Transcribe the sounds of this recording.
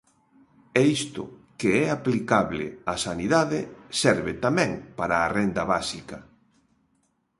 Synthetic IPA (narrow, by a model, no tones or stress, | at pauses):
ɛist̪ʊ̰keɛaplikaβlɪ̰asaniðaðɪsɛɾβɪt̪amɛ̃ŋpaɾaːrend̪ɐβasikɐ